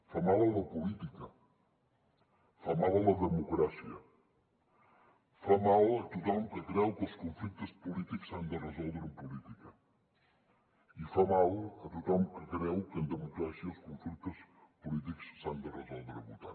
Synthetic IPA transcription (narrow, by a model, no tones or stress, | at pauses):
famalˠɐlɐpulit̪ikɐ | famalˠɐlɐðəmukɾasiɐ | famalɐt̪ut̪ɔmkɨkɾɛwkuskõɱflit̪ɐspulit̪ikusand̪ɨrəzɔlˠβeɾumpulit̪ikɐ | ifamalˠɐt̪ut̪ɔmkɨkɾɛwkẽnd̪əmukɾasjiɐuskõɱflit̪ɐspulit̪̬iku̥ssand̪ərəzɔlˠβeɾβut̪a̰